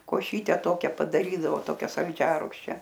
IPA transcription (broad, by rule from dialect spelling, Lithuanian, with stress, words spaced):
koːˈʃʲiːtʲɛ ˈtoːkʲɛ pɐdɐˈrʲiːdɐʋoː ˈtoːkʲɛ sɐlʲˈd͡ʒʲæːrʊkʃʲt͡ʃʲɛ